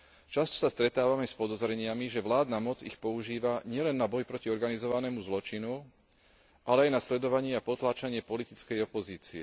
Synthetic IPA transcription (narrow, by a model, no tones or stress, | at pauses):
t͡ʃast̪ɔ̥sast̪ɾɛt̪aːʋamɛspɔd̪ɔzɾɛɲɪamiʒɛʋlaːd̪namɔd͡zixpɔuʒiːʋaɲɪɛlɛnːabɔjpɾɔciɔɾɡanizɔʋanɛːmuzlɔt͡ʃinu | ʔalɛajnaslɛd̪ɔʋaɲɪɛapɔt̪laːt͡ʃaɲɪɛpɔlit̪it͡skɛjɔpɔziːt͡siɛ̰